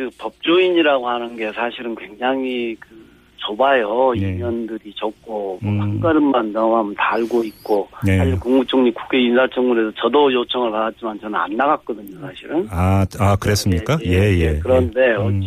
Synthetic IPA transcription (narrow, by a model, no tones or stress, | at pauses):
kɯpʌp̚t͡ɕ͈uiɲiɾaɡohanɯnɡe̞sʰaɕʰiɾɯnkwe̞ŋd͡ʑaŋikɯ | t͡ɕobajʌimʌndɯɾit͡ɕʌk̚k͈omʌpʰaŋk͈aɾɯmmandaamtaɭɡoit̚k͈oaɕʰikuŋmut͡ɕʰoŋɲiku̥kʰe̞insʰat͡ɕʰʌŋmuɾe̞sʰʌt͡ɕʌdojot͡ɕʰʌŋɯɭpadat̚t͡ɕ͈imant͡ɕʌnɯna̰nːaɣak̚k͈ʌdɯɲosʰaɕʰiɾɯnaakɯɾes͈ɯmɲik͈aje̞jekɯɾʌnde̞ʌ